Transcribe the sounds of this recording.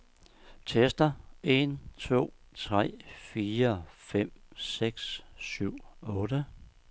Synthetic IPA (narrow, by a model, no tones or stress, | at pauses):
t͡sʰesd̥ɐe̝nt͡sʰo̝̰ː | t͡sʰʁɛ̰ːfiːɐfem̰seɡ̥ssyʊ̰ɔ̽ːɾə